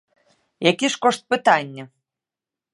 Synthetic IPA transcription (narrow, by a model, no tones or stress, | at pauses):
jakʲiʃkoʃt̪̚pɨt̪ɑnʲːə̆